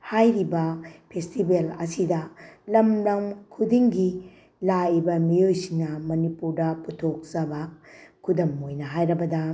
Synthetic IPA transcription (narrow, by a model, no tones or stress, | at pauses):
hajɾibɐpʰestibelɐsidɐlɐmlɐmkʰudiŋɡi | laibɐmiojsiŋnɐmɐnipuɾdɐputʰok̚sɐbakʰudɐmojnɐɦajɾɐbɐdɐ